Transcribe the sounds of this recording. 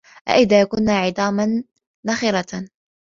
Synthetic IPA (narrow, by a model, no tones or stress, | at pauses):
ʔa̰ʔɪðaːjakʊnːaːʕɪd̪ˤɑːmanː | axɪɾˤa